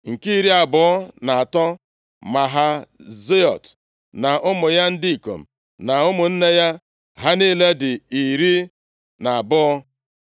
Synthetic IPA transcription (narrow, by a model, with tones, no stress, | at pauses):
ŋ̩˨ki˦ɾi˦a˨bʊ˨˦ɔ˦na˨a˨tɔ˦ | ma˨ɦa˦ze˦ɔ˨t | na˨ʔʊ˦mʊ˨ja˦n̩˦di˦i˨ko̰˨m̩˨ | na˨ʊ˦mʊ˨n̩˦ne˦ja˦ | ɦa˦ni˦le˦dɪ˨i˨ɾi˦ | na˨a˨bʊ˦ɔ˦